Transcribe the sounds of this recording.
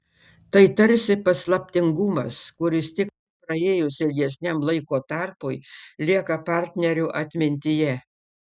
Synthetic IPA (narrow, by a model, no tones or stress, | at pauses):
t̪ɐɪt̪ɐɾʲsʲɪpɐslˠɐpʲt̪ʲɪŋɡʊmɐskʊɾʲɪst̪ʲɪk | pɾɐeːjʊsɪlʲɡʲɛsʲnʲɛmlˠɐɪkoːt̪ɑɾpʊjlʲiɛkɐpɑˑɾʲt̪ʲnʲɛɾʲʊʔɐt̪ʲmʲɪnʲt̪ʲɪjɛ